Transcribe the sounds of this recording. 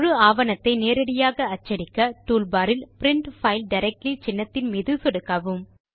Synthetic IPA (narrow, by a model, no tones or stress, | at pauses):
ɻɯaːʋɐnɐt̪ːɐɪneːɾɐɽɪjaːɣɐːt͡ʃːɐɽɪkːɐʈuːlbaːɾɪlpɪɾɪɳʈfɐɪlɖɐɪɾɐk̚ʈlit͡ʃɪnːɐt̪ːɪnmiːðɯsɔɽɯkːaːʋɯm